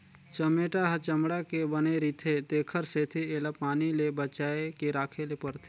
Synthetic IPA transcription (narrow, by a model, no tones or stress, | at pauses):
t͡ʃɐmeːʈaɦɐt͡ʃəmɽakebəneɾiːt̪ʰet̪eːkʰəɾset̪ʰieːlapaːnilebət͡ʃaːekeɾaːkʰelepəɾt̪ʰe